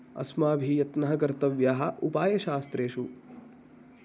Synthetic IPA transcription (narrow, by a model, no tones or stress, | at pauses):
ɐ̰smaːbʱijɐt̪nɐɦɐɡɐɾt̪ɐʋjaːɦɐʔupaːjɐʃaːst̪ɾeːʃu